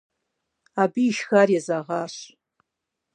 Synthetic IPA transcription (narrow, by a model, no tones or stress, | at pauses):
abiːʃxarjazaʁaʃʷ